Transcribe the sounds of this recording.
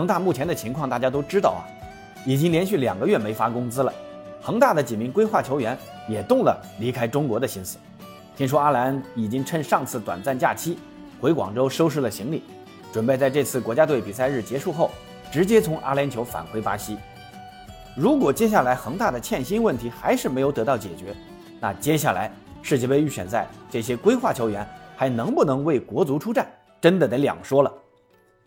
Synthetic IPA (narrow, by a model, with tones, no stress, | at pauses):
xɤ˧˥ŋt̪a˥˧mu˥˩t͡ɕʰjɛ˧˥nd̪ə˧t͡ɕʰi˧˥ŋkʰwɑ˥˧ŋt̪a˥˩t͡ɕja˥t̪o˥ʊʈ͡ʂɻ̩˥t̪ɑ˥˩ʊɐ̰˩ | i˨˩t͡ɕi˥ŋljɛ˧˥nɕy˥˩ljɑ̰˨˩ŋɡə˦jɥɛ˥˩me˧˥ɪfa˥kʊ˥ŋt͡sɹ̩˥lə̰˨ | xɤ˧˥ŋt̪a˥˩d̪ə˩t͡ɕi˨˩mi˧˥ŋkwe˥ɪxwa˥˩t͡ɕʰjo˧˥ʊɥɛ˧˥n | jɛ˨˩t̪ʊ˥˩ŋlə̰˩ | li˧˥kʰa˥ɪʈ͡ʂʊ˥ŋkwɔ˧˥d̪ə˧ɕi˥nsɹ̩˧˩˦ | t̪ʰi˥ŋʂ̬ɔ˥a˥la˧˥ni˨˩t͡ɕi˥ŋʈ͡ʂʰə˥nʂɑ˥˧ŋt͡sʰɹ̩˥˩t̪wa̰˨˩nt͡sa˥˧nt͡ɕja̰˥˩t͡ɕʰi˥ | xwe˧˥ɪkwɑ̰˨˩ŋʈ͡ʂo˥ʊʂo˥ʊʂɻ̩˥˩lə˩ɕi˧˥ŋli˨˩˦ | ʈ͡ʂwə˨˩npe˥˧ɪt͡sa˥˧ɪʈ͡ʂɤ˥˧t͡sʰɹ̩˥˩kwɔ˧˥t͡ɕja˥t̪we˥˩ɪpi˨˩sa˥˧ɪɻ̩˥˩t͡ɕjɛ˧˥ʂu˥˧xo˥˩ʊ | ʈ͡ʂɻ̩˧˥t͡ɕjɛ˥t͡sʰʊ˧˥ŋʔa̰˥ljɛ˧˥nt͡ɕʰjʊfa̰˨˩nxwe˥ɪpa˥ɕi˥ | ɻu˧˥kwɔ˨˩t͡ɕjɛ˥ɕ̬a˥˩la˧˥ɪxɤ˧˥ŋt̪a˥˩d̪ə˩t͡ɕʰjɛ˥˩nɕi˥nwə˥˩nt̪ʰi˧˥xa˧˥ɪʂɻ̩˥˩m˧˥ɪjo˧˥ʊt̪ɤ˧˥t̪ɑ˥˩ʊt͡ɕjɛ̰˨˩t͡ɕɥɛ˧˥ | na̰˥˩t͡ɕjɛ˥ɕja˥˩la˧˥ɪ | ʂɻ̩˥˩t͡ɕɛ˥˩pe˧y˥˩ɕɥɛ̰˨˩nt͡sa˥˧ɪʈ͡ʂɤ˥˩ɕ̬jɛ˥kwe˥ɪxwa˥˩t͡ɕʰjo˧˥ʊɥɛ˧˥nxa˧˥ɪnɤ˧˥ŋpu˥˩nɤ˧˥ŋwe˥˩ɪkwɔ˧˥t͡su˧˥ʈ͡ʂʰu˥ʈ͡ʂa˥˩n | ʈ͡ʂə˥nd̪ə˨˩d̪ə˧˥ljɑ̰˨˩ŋʂwɔ˥lə˨